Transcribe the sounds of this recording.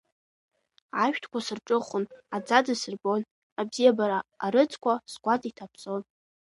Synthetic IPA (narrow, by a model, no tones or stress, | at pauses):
aʃᶣtʰkʷʰasɨrʈ͡ʂʼɨχʷʊnad͡zad͡zɨsɨrbon | abzijabaɾaːɾɨt͡sʰʼkʷʰasɡʷatʼitʰapʰt͡sʼon